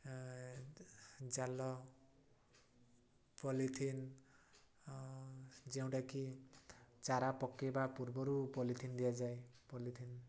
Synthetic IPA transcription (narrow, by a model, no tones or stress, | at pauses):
d͡ʒalɔ | pɔlit̪ʰin | d͡ʒew̃ʈaki | t͡ʃaɾapɔkːebapuɾbɔɾupɔlit̪ʰind̪ijad͡zajpɔlit̪ʰin